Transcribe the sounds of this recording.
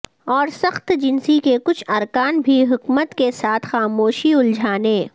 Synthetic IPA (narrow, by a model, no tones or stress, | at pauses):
ɔːɾsɐxt̪d͡ʒɪnsikekʊt͡ʃʰɐɾkaːnbʱiɦʊkmət̪kesaːt̪ʰxaːmoːʃiʊld͡ʒʱaːneː